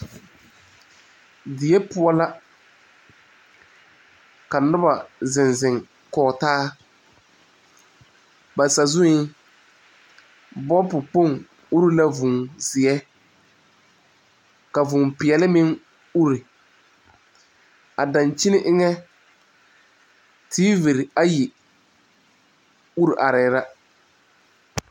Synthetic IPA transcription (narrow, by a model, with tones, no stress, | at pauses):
dɪ˨ɛ˦pʊ˦ɔ˦la˦ | ka˨nʊ˦ba˨zɪ˨nzɪ˨ŋ | kɔː˨taː˦ | ba˨sa˨zʊ˦ɪ˦ | bɔ˦pʊ˨k͡po˦˨ŋ | u˦ɾi˦la˦vʊ˨ŋzɪ˨ɛ˦ | ka˨vʊ˨mpɪ˨ɛ˨lɪ˦mɪ˦ŋ | u˦ɾi˨ | a˨dã˨nt͡ʃɪ˦nɪ˦ʔɪ˦ŋɛ˦ | tʰiː˦vi˨ɾɪ˨a˦ji˨ | u˦ɾi˨ʔa˨ɾɪ˨ɾa˦